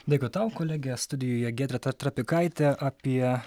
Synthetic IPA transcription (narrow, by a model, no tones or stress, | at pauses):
d̪ɐɪkot̪ɐʊkoːlʲæːɡʲɛst̪ʊd̪ʲɪjoːjɛɡʲæːt̪ʲɾʲɛt̪ɐt̪ɾɐpʲɪkɐɪt̪ʲɛʔɐpʲiɛ